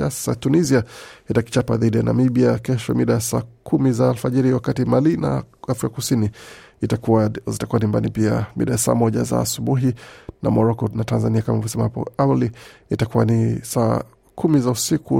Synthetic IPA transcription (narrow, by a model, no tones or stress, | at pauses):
asḁsatuniziaitaki̥t͡ʃapaðiɗijanʔa̰miɓiakɛʃɔmiɗajasa̰ːkʰumizaːlfaʄɛɾiwakatimalina̰afɾikakusinitazitakuwanimba̰nipia̰mḭɗajasa̰ːmɔʄa̰za̰ːsuɓuɦinʔa̰mɔɾɔkɔnatanzaniakamavɔsɛmahapɔ̰awaliitakuwanisaː | kʰumizausiku